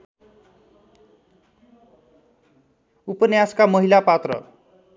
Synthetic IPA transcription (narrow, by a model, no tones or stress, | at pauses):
upʌnjaskamʌɦilapat̪rʌ̰